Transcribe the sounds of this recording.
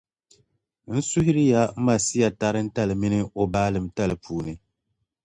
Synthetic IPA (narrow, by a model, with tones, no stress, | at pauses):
n̩˦su˦hɪ˦ɾi˦ja˦m̩˦ma˨si˦ja˨ta˦ɾɨ˦n̩˦ta˦lɨ˨mi˦nɨ˦o˨baː˦lɨ˨m˦ta˦lɨ˨pʰuː˨nɨ˨